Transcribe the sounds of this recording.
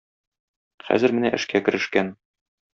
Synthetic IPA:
χæ̰zɘɾmɘ̆næʔɘ̆ʃkækɘ̆ɾɘ̆ʃkæn

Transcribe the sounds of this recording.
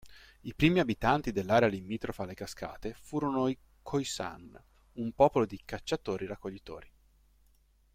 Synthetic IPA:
ipɾiːmiabit̪ant̪id̪elːaːɾealimiːt̪ɾofalekaska̰ːt̪efuːɾonoi | kʰojsa̰n | umpɔːpolod̪ikat͡ʃːat̪oːɾiɾakːoʎːit̪o̰ːɾi

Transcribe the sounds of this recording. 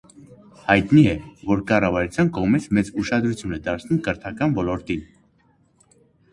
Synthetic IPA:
hɑjt̪niɛvɔɾkɑrɑvɑɾut͡sʰjɑnkɔʁmit͡sʰmɛt͡suʃɑd̪ɾut͡sʰjunɛd̪ɑɾt͡sʰnumkəɾt̪ʰɑkɑnvɔlɔɾt̪in

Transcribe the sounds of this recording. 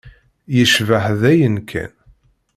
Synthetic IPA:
jəʃvəħðæjənkʰæ̰n

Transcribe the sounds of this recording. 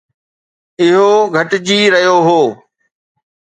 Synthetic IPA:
ɪɦoɡʱɐʈd͡ʑiːɾɐɦijoɦoː

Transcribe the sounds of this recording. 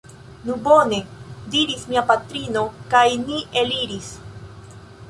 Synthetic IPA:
nubo̞ne̞diɾismiapatɾino̞kajniʔe̞liɾis

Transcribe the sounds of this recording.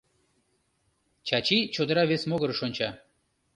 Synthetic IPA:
t͡ɕɑt͡ɕit͡ɕod̪əɾɑβesmoɣəɾəʃonʲt͡ɕɑ

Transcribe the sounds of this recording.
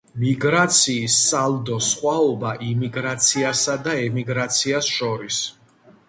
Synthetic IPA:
miɡɾat̪sʰiːsːalˠd̪ɔsχwaɔbaʔimiɡɾat̪sʰiasad̪aɛmiɡɾat̪sʰiasʃɔɾis

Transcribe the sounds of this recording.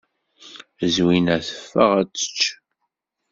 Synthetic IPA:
zwinæθə̥fːə̰ʁæt͡sːə̥t͡ʃː

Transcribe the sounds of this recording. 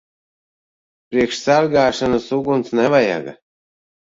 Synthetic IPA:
pɾiɛkʃsaɾɡaːʃanasuɡunt̪snɛvaja̰ɡa̰

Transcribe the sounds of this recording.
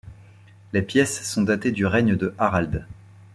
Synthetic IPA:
lepjɛsːɔ̃d̪at̪ed̪yʁɛɲəd̪əʔaʁald̪

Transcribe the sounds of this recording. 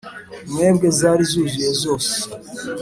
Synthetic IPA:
memɡezaːɾizuʒijezoːse̥

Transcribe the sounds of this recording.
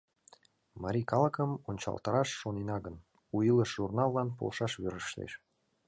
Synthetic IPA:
mɑɾʲikɑlˠəkəmonʲt͡ɕɑ̰lˠt̪ɑɾɑʃːonenɑɡən | ujiləʃʒurnɑlˠːɑnpo̰lʃɑʃβøɾəʃt̪ḛʃ

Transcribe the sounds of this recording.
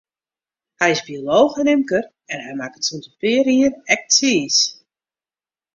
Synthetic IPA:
hɛjɪsbioloːxənɪmkər | ɛnɦɛjmakətsuntəpɪəɾiənɛk̚tiːs

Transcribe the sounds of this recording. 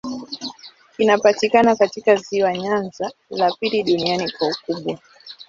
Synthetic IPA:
kinapatikanakatikaziwaɲanzalapiliɗunianikwaukuɓwa

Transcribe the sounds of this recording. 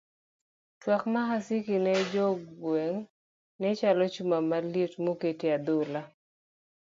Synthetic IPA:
twakmaɦasikinɛd͡ʒɔɡwɛŋ | nɛt͡ʃalɔt͡ʃumamalitmoketead̪ʊla

